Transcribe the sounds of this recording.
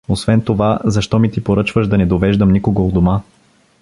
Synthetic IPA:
osvɛnt̪ovazɐʃt̪ɔmit̪ipoɾɤt͡ʃvəʒd̪ɐnɛd̪ovɛʒd̪əmnikoɡoːd̪oma

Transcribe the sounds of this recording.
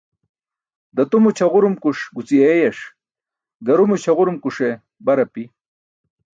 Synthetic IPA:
d̪ɐt̪umut͡ɕʰɐʁuɾumkuʂɡut͡siejɐʂ | ɡ̪ɐɾumut͡ɕʰɐʁuɾumkuʂe | bɐɾɐpi

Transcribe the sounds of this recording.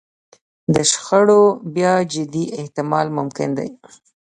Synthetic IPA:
d̪əʃxaɽobjɑd͡ʒɪd̪iɪht̪ɪmɑlmʊmkɪ̰nd̪a̰j

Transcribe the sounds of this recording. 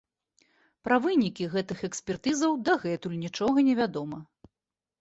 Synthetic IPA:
pɾɐvɨnʲikʲiɣɛt̪ɨxɛksʲpʲɛrt̪ɨzɐwd̪ɐɣɛt̪ulʲnʲit͡ʂɔɣɐnʲɛvʲad̪ɔmɐ

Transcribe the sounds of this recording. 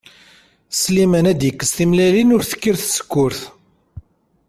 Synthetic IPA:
slimænæd̪jəkːəsθimlælinʊɾθə̥kːiɾθsə̥kːʊɾθ

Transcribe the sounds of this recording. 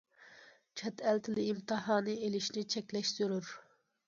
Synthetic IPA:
t͡ʃʰɛt̪ʰælt̪ʰɪlɪimt̪ɨɦɑːnɨelɪʃnɪt͡ʃʰɛkʲlɛʃz̥yɾyɾ

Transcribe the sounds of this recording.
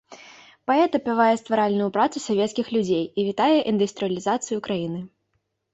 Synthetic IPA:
paɛt̪ɐpʲavajɛst̪vaɾalʲnʊjupɾat̪susʲavʲɛt̪skʲixlʲud͡zʲejivʲit̪ajɛʔind̪ɨst̪ɾɨjɐlʲizat̪sɨjukɾajinɨ

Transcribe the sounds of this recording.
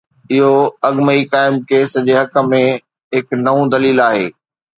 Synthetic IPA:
ɪɦoɐɡməikaːɪmkeːsəd͡ʑeɦɐkə̆mẽ | ɦɪknɐʋũd̪ɐliːlaːɦeː

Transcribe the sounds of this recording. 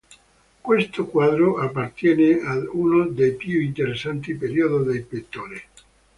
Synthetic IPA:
kwest̪okwaːd̪ɾoʔapːart̪jɛːneaunod̪ejpjuint̪eɾesːant̪ipeɾiod̪od̪elpet̪ːoːɾe

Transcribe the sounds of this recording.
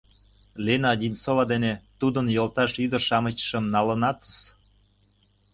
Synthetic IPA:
lenɑd̪ʲinsoβɑd̪enet̪ud̪ənjolt̪ɑʃyd̪ərʃɑmət͡ɕʃəmnɑlə̆nɑt̪əs

